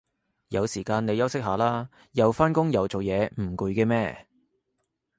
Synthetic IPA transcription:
jɐ˨˧wsiː˨˩kaː˧ne˨˧jɐ˥wsɪ˥k̚ɦaː˨˧˥laː˥ | jɐ˨˧wfaː˥nkʊ˥ŋjɐ˨˩wt͡so˨wjɛː˨˧m̩˨˩kuː˨˧jkɛː˧mɛː˥˩

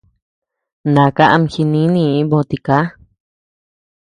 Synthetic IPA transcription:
nã˨ka˦ʔa˧m˧xi˧nĩ˦nĩ˧˨i˦bõ˧t̪i˧ka˦

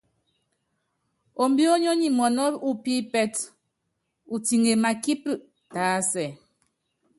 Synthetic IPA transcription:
o˨m̩˦bi˦o˦ɲo˦ɲi˨mɔ˨nɔ˦u˦pi˦pɛ˦t | u˨ti˨ŋe˨ma˨ki˦pɨ˦˨ʔ | taː˨˦sɛ˨

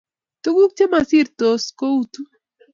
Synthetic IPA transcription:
t̪u˦ku˦k̚t͡ʃe˦ma˨si˦ɾt̪o˨sko˦u˦t̪u˦

